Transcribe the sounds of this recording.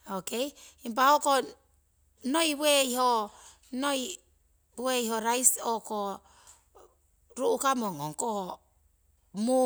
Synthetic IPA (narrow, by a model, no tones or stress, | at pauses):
okejimp̬ahoko | nojweiho | noj | weiɦoɾajsoko | ɾuukamoŋoŋko | mu